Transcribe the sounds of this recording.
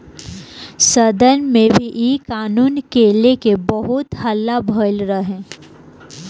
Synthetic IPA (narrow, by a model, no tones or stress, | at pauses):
səd̪ʱənmẽbʱiʔiːkaːnuːnkelekebəɦʊt̪həlːabʱəɪlɾəɦẽː